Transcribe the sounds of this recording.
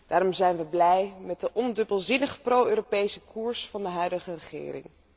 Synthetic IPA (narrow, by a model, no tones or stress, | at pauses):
d̥aːɾɔmzɛjnʋəblɛjmɛt̚dəʔɔndɵbəlˠzɪnəχəprowøːropejsəkuːɹsfɑndəɦœɥdəχərəχɪ̰ːrɪ̰ŋ